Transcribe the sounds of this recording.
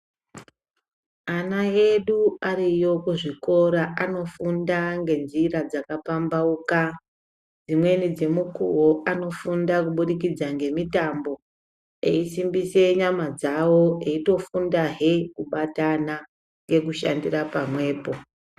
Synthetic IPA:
anae̞ɗuarijo̞kuʐiko̞ɾaʔano̞fundaŋɡe̞nzirad͡zakapambauka | d͡zimwe̞nid͡ze̞mukuwoʔano̞fundakuɓuɗikid͡zaŋɡe̞mitambo̞ | ḛisimbise̞ɲamad͡zawo̞e̞ito̞fundaɦe̞kuɓatana | ŋɡe̞kuʃandirapamwe̞ːpo̞

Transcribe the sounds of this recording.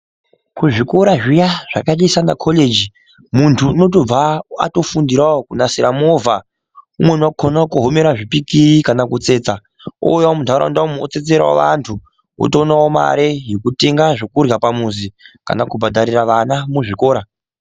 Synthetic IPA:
kuʐiko̞ɾaʐijaʐ̥akaɗisanakʰoled͡ʒi | muntʰuːno̞t̬o̞b͡vaa̰to̞fundiɾaokunasiɾamova | umwe̞nakʰonaokuɦomeɾaʐipikiikanakut͡se̞ːt͡sa | o̰jamuntaɾa̰ndamot͡se̞t͡se̞ɾa̰wo̰ʋa̰ntʰu | o̰tonaoma̰ɾejekute̞ŋɡaʐokurjapamuzika̰nakubʱadʱaɾiraʋanamuʐiko̞ːɾa

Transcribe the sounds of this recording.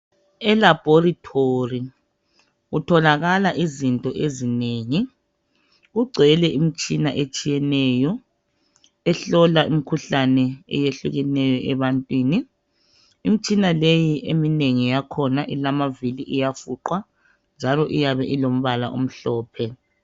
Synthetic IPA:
ɛlab̥ʱoritʰori | ɣutʰɔlaɣalaʔizintʼɔʔezineːŋi | ɣuɡ͡ǀʱɛlɛʔimit͡ʃʼinaʔet͡ʃʼijɛnɛjɔ | ɛɬɔlaʔimikʰuɬanɛɛ̰jeɬuɣɛnɛjɔʔɛβantʼwiːni | imit͡ʃʼinalejiʔemineŋijakʰɔnaʔilamaviliʔijafuǃwa | nd͡ʒʱalɔʔijaβɛʔilom̩βala̰ʔo̰m̩ɬɔːpʰɛ

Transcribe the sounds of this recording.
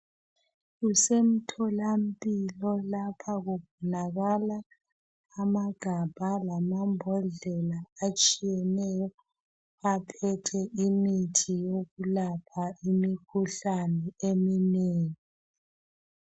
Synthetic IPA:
ɣusem̩tʰɔlam̩pʼilɔlapʰaɣuβʱɔnaɣalaː | maɡ̥ʱab̥ʱalamambʱɔɮɛlaat͡ʃʼijɛnɛjɔ | apʰɛtʰɛʔimitʰijoɣulapʰaimikʰuɬanɛemineːŋi

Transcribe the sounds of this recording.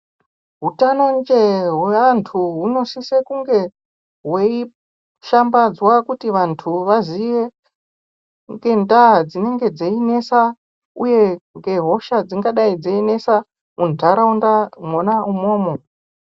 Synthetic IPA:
ɦutanond͡ʒeɦweʋantʰuɦuno̞sisekuŋɡe̞ | ɦwei | ʃambad͡zwakutiʋantʰuʋazije | ŋɡe̞ndaɦad͡zine̞ŋɡe̞d͡zeine̞sa | uje̞ŋɡe̞ɦo̞ʃad͡ziŋɡaɗaid͡zeine̞sa | muntaɾaundaŋonaumo̞ːmo̞

